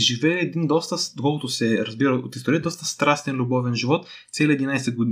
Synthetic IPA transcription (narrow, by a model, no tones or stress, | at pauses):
ʒivɛːd̪ind̪ɔst̪əd̪okɔlˠkʊt̪ʊsɛɾɐzbiɾɐot̪ist̪oɾid̪ɔst̪əst̪ɾast̪ɛnlʲubɔvɛnʒivɔt̪ | t̪sʲɛlʲiɛd̪inajsɛɡod̪